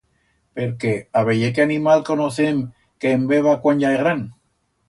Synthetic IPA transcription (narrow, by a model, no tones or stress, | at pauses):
peɾkeaβe̞ʝek̬eanimalkonoθem | keːmbe̞βakwaɲʝaeɣɾan